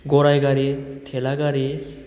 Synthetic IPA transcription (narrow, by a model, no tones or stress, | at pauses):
ɡɔɾajɡaɾit̪ʰelaɡaɾi